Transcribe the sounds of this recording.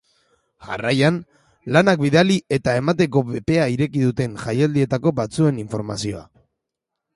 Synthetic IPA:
ʝa̰rajan | lanak̚biðalie̞t̪ae̞mat̪e̞ko̞βepe̞aiɾe̞kiðut̪e̞nʝajald̪ie̞t̪ako̞bat͡sue̞niɱfo̞ɾmasio̞a̰

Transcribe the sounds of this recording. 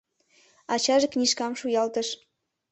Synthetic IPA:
ɑt͡ɕɑʒeknʲiʃkɑmʃujɑlt̪əʃ

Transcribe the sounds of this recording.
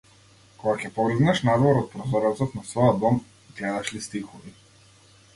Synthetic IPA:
kɔɡakʲɛpɔɡliɡ̪nɛʃnad̪vɔɾɔt̪̚pɾɔzɔɾɔt̪sɔt̪nasvɔjɔd̪̚bɔm | ɡlɛd̪aʃlist̪ixɔvi

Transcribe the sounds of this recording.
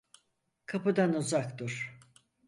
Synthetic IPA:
kʰapɯd̪anuzakt̪uɾ̥

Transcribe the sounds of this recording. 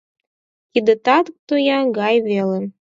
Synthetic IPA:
kid̪ə̆t̪ɑt̪ək̚t̪ojɑɡɑjβelen

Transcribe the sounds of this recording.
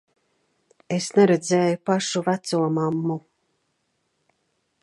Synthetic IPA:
esnɛɾɛd̪zɛːjupaʃuvæt̪suɔmamːu

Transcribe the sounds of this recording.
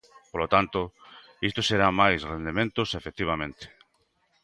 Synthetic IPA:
polot̪ant̪o | ist̪oseɾamajsrend̪emẽnt̪ʊsefek̚t̪iβ̞amẽnt̪e̥

